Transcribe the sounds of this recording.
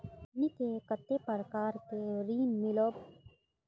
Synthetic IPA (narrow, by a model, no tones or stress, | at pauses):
nikekət̪ːepəɾkaːɾkeɾiːnmɪloːb